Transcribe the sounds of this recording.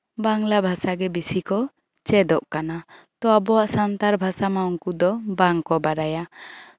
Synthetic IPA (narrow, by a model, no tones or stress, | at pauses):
baŋlabʱasaɡɛbisikɔ | t͡ʃɛd̪ɔʔkana | t̪ɔabɔaʔsant̪aɾbʱasamauŋkud̪ɔbaŋkɔbaɾaja